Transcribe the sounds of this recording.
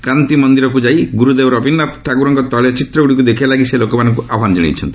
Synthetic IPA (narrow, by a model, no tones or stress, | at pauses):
kɾant̪imɔnd̪iɾɔkud͡ʒajɡuɾud̪ewɔɾɔːbinːat̪ʈʰaɡuɾɔŋkɔt̪ɔljɔt͡ʃit̪ɾɔuɽikud̪ekʰijalaɡiselokɔmanɔŋkuʔabɔɦand͡ʒeɽ̃ḭt͡ʃʰɔnt̪i̥